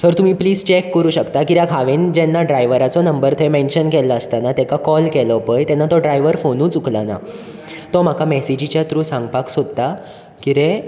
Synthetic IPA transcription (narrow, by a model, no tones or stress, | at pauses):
səɾt̪um̤iːpliːd͡zt͡ɕekːəɾuːɕəkt̪akiɾjakʰaʋend͡ʑɛnːaɖɾajʋəɾat͡sɔnəmbəɾt̪ʰemenɕənkɛlaəst̪anat̪ɛ̃kakɔlkelɔpəjt̪ɛnːat̪ɔɖɾajʋəɾfonuːt͡suklana̰ | t̪ɔm̤akʰamɛsid͡ʑit͡ɕjat̪ɾuːsãŋɡpaksod̪t̪a | kiɾẽ